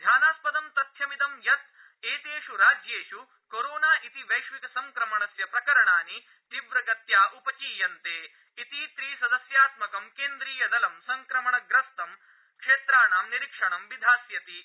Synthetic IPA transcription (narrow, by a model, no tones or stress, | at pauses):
d̪ʱjaːnaːspɐd̪ɐmt̪ɐt̪ʰjɐmit̪ɐmjɐt̪̚ | eːt̪eːʃuɾaːd͡ʒjeːʂu | koɾoːnaːʔit̪iʋɐjʃʋikɐsɐŋkɾɐmɐɳɐsjɐpɾɐkɐɾɐɳaːni | ʈ̪iʋɾɐɡɐt̪jaːʔupɐt͡ʃiːjɐnt̪eː | it̪it̪ɾiːsɐd̪ɐsjaːt̪mɐkɐmkeːnd̪ɾiːjɐd̪ɐlɐmsɐŋkɾɐmɐɳɐɡɾɐst̪ɐm | kʂeːt̪ɾaːɳaːmniɾikʂɐɳɐmʋid̪ʱaːsjɐt̪i